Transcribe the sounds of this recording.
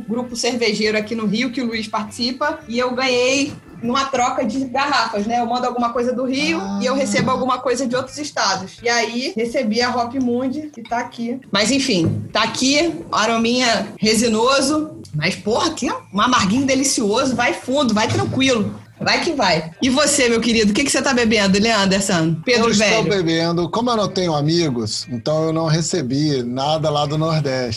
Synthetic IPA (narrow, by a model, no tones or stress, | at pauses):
ɡɾupʊseɾveʒejɾʊakinʊɦiʊkɪʊluiʃpaɾt͡ʃɪ̥sipɐɪewɡɐ̃ɲej | nũmɐt̪ɾɔkɐd͡ʒɪɡaɦafɐʃnɛewmɐ̃nd̪ʊawɡũmɐkojzɐd̪ʊɦiʊɪewɦesebʊawɡũmɐkojzɐd͡ʒɪowt̪ɾʊzɪʃt̪ad̪ʊsɪaihesebiɐɦɔpimũd͡ʒɪkɪt̪aːkimɐjzẽfĩt̪aːkiaɾõmĩɲɐhezinozʊmɐjspoɦɐkeũamaɾɡĩɲʊd̪elisiozʊvajfũd̪ʊvajt̪ɾɐ̃kwilʊ | vajkivajɪvosemewkɪɾid̪ʊk̬ekɪ̥set̪abebẽnd̪ʊleɐ̃nd̪esɐ̃nʊpeɾsvɛobebẽnd̪ʊkõmʊewnɐ̃w̃t̪ẽɲʊamiɡʊsẽnt̪ɐ̃w̃ewnɐ̃w̃ɦesebinad̪ɐlad̪ʊnoɾd̪ɛʃt͡ʃ